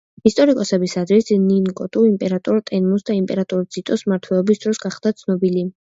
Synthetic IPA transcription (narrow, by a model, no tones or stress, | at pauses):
ist̪ʼɔɾikʼɔsɛbisad̪ɾisninkʼɔt̪ʼuimpʼɛɾat̪ʼuɾt̪ʼɛnmusd̪aimpʼɛɾat̪ʼuɾd̪z̥it̪ʼɔsmaɾt̪ʰwɛlˠɔbisd̪ɾɔsɡaχd̪at̪sʰnɔbili